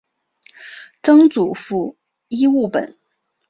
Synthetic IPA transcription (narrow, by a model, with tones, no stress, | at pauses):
ʈ͡ʂɤ˥ŋt͡su˨˩fu˥˩ | i˥u˥˩pə̰˨˩˦n